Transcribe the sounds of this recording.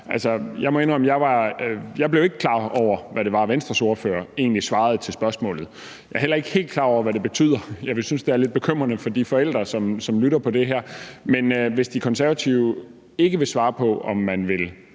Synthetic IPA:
ʔælsɒjɑ̈ɪmɒenɒmjɑ̈ɪʋɑ̈jɑ̈ɪble̝ʊe̝ɡ̥əkʰlɑ̰̈ːɒʊ̰ɐʋæɾe̝ʋɑ̈ʋensd̥ʁɐso̝ɐfø̰ːɐe̝̰ːnlisʋɑ̈ːð̞̩ˠt͡sʰe̝lsb̥ɶɐsmɔ̰̽ːlð̩ˠ | jɑ̈ɪæɐɦel̰ɐe̝ɡ̥he̝̰ːld̥kʰlɑ̈ːɒʊ̰ɐʋæɾ̥e̝b̥e̝t͡sʰy̰ːð̰ˠɐjɑ̈ɪʋe̝synsd̥e̝æɐled̥̚b̥e̝kʰøm̰ʁɐnəfɒ̽d̥ifɒ̽el̰d̥ʁɐsɒ̽msɒ̽mlyɾɐpʰɒ̽d̥e̝ɦæɐ̰menøʋe̝sd̥ikʰɒ̽nsæɐʋæt͡sʰiʊə | e̝ɡ̥əʋe̝sʋɑ̈ːpʰɒ̽ɒ̽mːænʋe̝l

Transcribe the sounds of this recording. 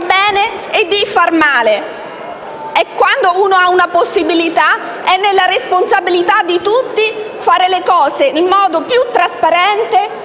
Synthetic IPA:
bɛːne | ed̪ːifarmaːle | ɛkːwand̪ouːnoaunaposːibilit̪a | ɛnːelːaɾesponsabilit̪ad̪ːit̪ut̪ːi | faːɾelekɔːsenilmɔːd̪opjut̪ːɾaspaɾɛnt̪e

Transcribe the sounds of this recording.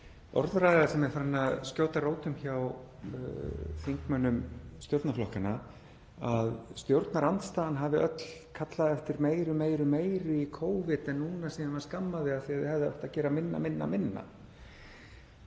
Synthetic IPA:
ɔ̰ɾðɾajðaðsɛmɛɾfaɾɪnaðscjoːwt̪aroːwt̪ʏmçaw | θiŋkmœnːʏmst̪jowɾt̪naflɔhkana | aðst̪jowɾt̪naɾant̪st̪aːðanɦaːvɪʔœt̪l̥kʰat̪laðɛft̪ɪɾmeːjɾʏmeːjɾʏmeːjɾʏikʰoːwvɪt̪ɛnːuːnasiːanvaɾskamːaðɪaðθiaðɪhɛvðɪɔ̰ht̪acɛːɾamɪnːa̰mɪnːa̰mɪnːa̰

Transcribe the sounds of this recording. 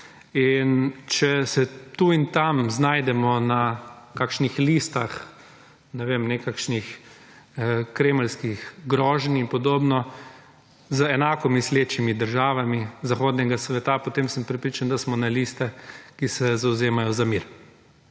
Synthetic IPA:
int͡ʃɛsɛt̪uint̪amznaːjd̪ɛmɔnakaːkʃnixliːst̪ax | nɛʋemnɛkakʃnix | kɾeːməlskixɡɾɔːʒninpɔd̪oːbnɔ | zəɛnaːkɔmisleːt͡ʃimid̪əɾʒaːʋamizaxoːd̪nɛɡasʋɛt̪apɔt̪eːmsəmpɾɛpɾit͡ʃand̪asmɔnɛlist̪ɛkisɛzawzeːmajɔzamiɾ

